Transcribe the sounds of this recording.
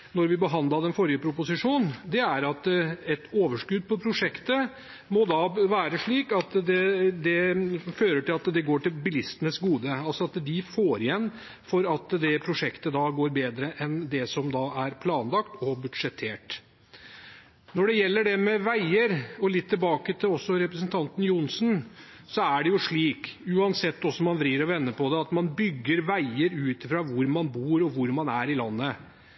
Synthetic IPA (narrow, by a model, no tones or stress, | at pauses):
nɔɾʋɪbəɦɑnd̪ɑd̪ɛnfɔɾɪəpʰɾʊpʊsɪʂuːnd̪ɛæɾɑt̪ɛt̪oːʋəʂkʉd̪̚pʰɔpʰɾʊʂɛkt̪ə | mɔd̪ɑːʋæːɾəʂɭiːkɑt̪d̪ɛd̪ɛføːɾəʈɪlɑt̪d̪ɛɡoːʈɪlbɪlɪst̪ənəsɡuːd̪əɑlsɔɑt̪d̪ɪfoːɾɪjɛnː | fɔɾɑt̪d̪ɛpʰɾʊʂɛkt̪əd̪ɑɡoːɾbeːd̪ɾəʔɛnd̪ɛsɔmd̪ɑʔæɾpʰlɑːnlɑkt̪ɔbʉd̪ʂɛt̪ʰːeːʈ | nɔɖɛjɛlːəɖɛmɛʋæɪəɾɔlɪt̪ʰːɪlbɑːkət̪ʰɪɔsːɔɾɛpɾəsnt̪ʰɑnt̪n̩jʊnsn | sɔæɖɛjʊʂɭiːkʉːɑnsɛt̪ːɔsɔmɑnʋɾiːəɾɔʋɛnːəpʰɔd̪ɛɑt̪mɑnbʏɡːəɾʋæɪəɾʉːt̪ɪfɾɑːʋʊɾmɑnbuːɾɔʋʊɾmɑnæɾɪlɑnːə